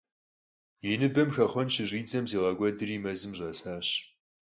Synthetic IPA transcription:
jɪnɨbɐmxɐχʷɔnʃʰɪʑʷiːd͡zɐmziːʁɐɡʷɔdɨriːmɐzɨmʑʷɐsaːɕ

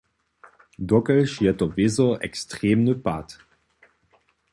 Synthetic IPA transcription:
dɔkəlʃiːɐtəvɪzəɛ̰kstʁ̥eːmnəpa̰t

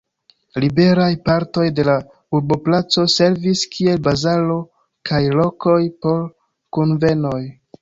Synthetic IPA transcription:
libe̞ɾajpaɾto̞jde̞la | uɾbo̞plat͡so̞se̞ɾviskʰie̞lbazalo̞ | kajlo̞ko̞jpo̞ɾ | kunve̞no̞j

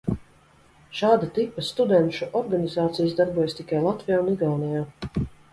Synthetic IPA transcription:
ʃaːd̪at̪ipast̪ud̪ɛnʃuʔɔɾɡanʲizaːt̪sijasd̪aɾbuɔjast̪ikajlˠat̪vijaːuniɡ̪alnijaː

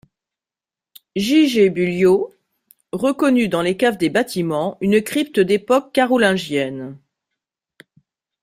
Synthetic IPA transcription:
ʒiʒebyljo | ʁəkɔnyd̪ɑ̃lekavd̪ebat̪imɑ̃ynəkχipt̪əd̪epɔkːaʁɔlɛ̃ʒjɛn

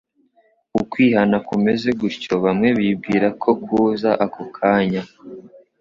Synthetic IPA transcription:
ukwiːhanakume̞ze̞ɡucoβamŋe̞βib̚ɡiːɾakʰo̞kuːzaʔakokʰaːɲa

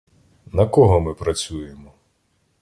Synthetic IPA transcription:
nɐkɔɦɔmɪpɾɐt͡sʲujemɔ

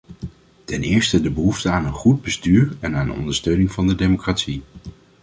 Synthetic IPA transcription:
tɛnɪːɹstədəbəɦuftəaːnənχud̚bəstyːɹɛnaːndə̰ɔ̰ndəɹstøɥnɪŋvɑndədejmokraːtsi

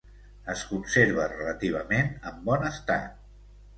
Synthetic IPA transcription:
əskunseɾβ̞ərələt̪iβ̞əmenəmbɔnəst̪a̰t̪̚

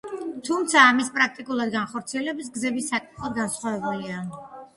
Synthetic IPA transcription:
t̪ʰumt̪sʰaːmispʼɾak̚t̪ʼikʼulˠad̪ɡanχɔɾt̪sʰiɛlɛbis̬ɡzɛbisːakʼit̪ʰχɔd̪ɡansχwavɛbulia

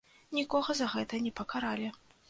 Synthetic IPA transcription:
nʲikɔɣɐzɐɣɛt̪ɐnʲɛpɐkʰaɾalʲɛ

